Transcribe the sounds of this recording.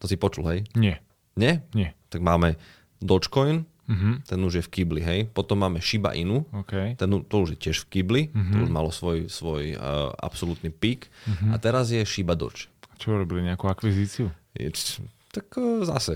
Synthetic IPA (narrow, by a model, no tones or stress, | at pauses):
t̪ɔsipɔt͡ʃulɦɛjɲɪɛ | ɲɛɲɪɛt̪aɡmaːmɛ | d̪ɔt͡ʃkɔjn̩ | ɦ̩t̪ɛnuʒjɛfkibliɦɛjpɔt̪ɔmːaːmɛʃiba̰ʔinuːɔkɛjt̪ɛnut̪ɔuʒjɛcɪɛʃfkiblit̪ɔuʒmalɔsʋɔjsʋɔjʔa̰psɔlut̪nipiːkat̪ɛɾazjɛʃibad̪ɔ̰t͡ʃat͡ʃɔuɾɔbiliɲɛakuakʋiziːt͡siujɛ̰ | t̪akːza̰sɛ